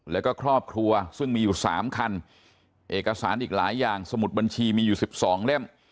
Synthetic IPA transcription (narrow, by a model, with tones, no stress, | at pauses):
lɛː˦˥wkɔː˥˩kʰɾɔː˥˩p̚kʰɾu˧ɐsɯ˥˩ŋmiː˧juː˨˩sa̰ː˩˦mkʰa˧n | ʔeː˨˩kːa˧saː˩˦nʔiː˨˩k̚laː˩˦jːaː˨˩ŋsa˧mu˨˩t̪̚ba˧nt͡ɕʰiː˧miː˧juː˨˩si˨˩p̚sɔː˩˦ŋle˥˩m